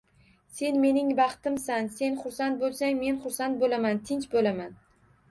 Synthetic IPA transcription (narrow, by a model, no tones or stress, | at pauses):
se̞nme̞nɪŋbɑχt̪ɪmsanse̞nχʊɾsant̪̚bolˠsaŋme̞nχʊɾsant̪̚bolamant̪ʰɪnt͡ʃbolaman